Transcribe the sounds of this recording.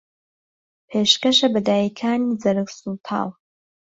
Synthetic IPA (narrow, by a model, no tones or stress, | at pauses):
pʰeːʃkɐʃɐbɐd̪aːjikʰaːniːd͡zɐɾɨksult̪ʰa̰ːlˠ